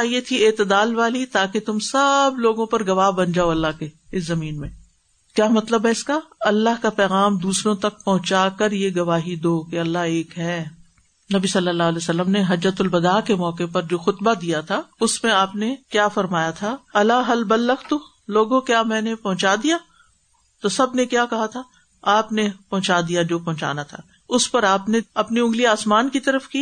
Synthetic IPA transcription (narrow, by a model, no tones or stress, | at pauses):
ajet̪ʰieːt̪ɪd̪aːlʋaːlit̪aːket̪ʊmsɐbloːɡõpɐɾɡɐʋaːɦbɐnd͡ʒaːoɐlːaɦke | ɪszɐmiːnmẽ | kjaːmɐt̪ləbɦɛɪskaɐlːaɦkapɛːɣaːmd̪uːsɾõt̪ɐk̚pɐɦʊ̃t͡ʃaːkɐɾjeɡɐʋaːɦid̪oːkeɐlːaɦeːkɦɛː | nɐbisɐlːəlːaːɦlɛːsɐlːəmneɦɐd͡ʒət̪ʊlbɐd̪aːkemɔːkepɐɾd͡ʒoːxʊt̪bad̪ijat̪ʰaʊsmẽaːpnekjaːfɐɾmaːjat̪ʰaɐlaɦɐlbɐlːɐxt̪o | loːɡõkjaːmɛ̃ːnepɐɦʊ̃t͡ʃad̪ija | t̪osɐbnekjaːkɐɦat̪ʰa | aːpnepɐ̃ɦʊ̃t͡ʃaːd̪ijad͡ʒoːpɐɦʊ̃t͡ʃa̰ːnat̪ʰa̰ː | ʊspɐɾaːpneɐpniʊ̃ŋɡliaːsmaːnkit̪ɐɾəfki